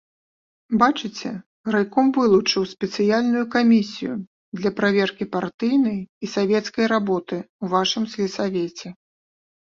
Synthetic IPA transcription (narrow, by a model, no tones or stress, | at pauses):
bat͡ʂɨt͡sʲɛ | rajkɔmvɨlˠut͡ʂɨwsʲpʲɛt̪sɨjalʲnujukamʲisʲijṵ | d̪lʲɐpɾavʲɛrkʲipart̪ɨjnɐjisavʲɛt̪skɐjɾabɔt̪ɨuvaʂɨmsʲlʲisavʲɛt͡sʲɛ